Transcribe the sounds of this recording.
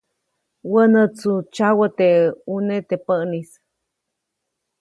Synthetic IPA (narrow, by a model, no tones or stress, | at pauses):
wənət͡sut͡ʃawət̪eunet̪epəʔnis